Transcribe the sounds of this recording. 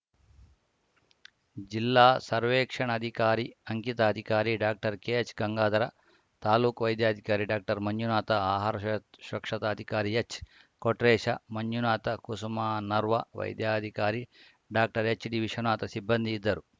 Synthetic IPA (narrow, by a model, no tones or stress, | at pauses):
d͡ʒilːaːsɐɾʋeːkʂɐɳɐd̪ʱikaːɾiɐŋkit̪ɐːd̪ʱikaːɾiɖaːk̚ʈɐɾkeːt͡ʃɡɐŋɡaːd̪ɐɾɐ | t̪aːluːkʋɐjd̪jaːd̪ʱikaːɾiɖaːk̚ʈɐɾmɐɲːjunaːt̪ɐaːɦaːɾɐʃɐkʂɐt̪ɐːd̪ʱikaːɾiet͡ʃ | koʈɾeːʂɐmɐɲjunaːt̪ɐkusɐmaːnɐɾʋɐʋɐ̰jd̪jaːd̪ʱikaːɾi | ɖaːk̚ʈɐɾet͡ʃɖiʋiʂɐnaːt̪ɐsibːɐnd̪ʱiːd̪ːɐɾu